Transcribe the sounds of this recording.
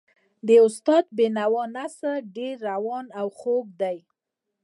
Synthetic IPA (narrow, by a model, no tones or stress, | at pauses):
d̪əʊst̪ɑd̪̚benawɑnasəɖeɾːawɑnawxoɡ̚d̪aj